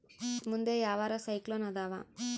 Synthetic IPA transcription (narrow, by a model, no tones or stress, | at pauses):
mund̪eːjaːʋaːɾasɐjkloːnɐd̪aːʋa̰ː